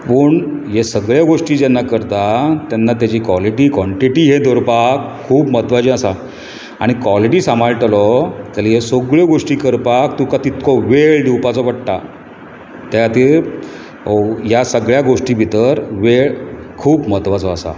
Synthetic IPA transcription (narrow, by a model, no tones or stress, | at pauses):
pəːɳjesəɡɭjaɡoʂʈiːd͡ʑɛnːakəɾt̪at̪anːat̪jat͡ɕiːkʋɔliʈiːkʋɔɳʈiʈiːɦed̪ʱoɾpakʰːuːpmət̪ʋad͡ʑĩəsa | a̰ɽ̃ikʋɔliʈiːsamaɭʈlɔt̪aliɦesoɡɭeɡoʂʈiːkəɾpakt̪ũkat̪it̪kʰɔʋeɭɖ̪iwpat͡sɔʋəɽt̪a̰ | t̪jaat̪i | ɦjasəɡɭjaɡoʂʈiːbʱit̪əɾʋeɭ | kʰuːpmət̪ʋat͡sɔəsa̰